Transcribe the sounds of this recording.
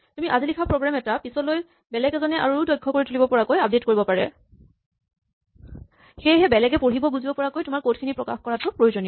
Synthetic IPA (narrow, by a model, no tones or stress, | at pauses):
tumiʔazilikʰapɹoɡɹamɛtapisɔloj | bɛlɛɡɛzɔnɛʔa̰ɹudɔjkʰːɔkoɹitulibɔpɔɹakojap̚detkoɹibɔpaɹɛ̰ | xejɦɛbɛlɛɡɛpoɹibɔbuzibɔpɔɹakojtʊmaɹkotkʰinipɹɔkaxkɔɹatʊpɹojozonijɔ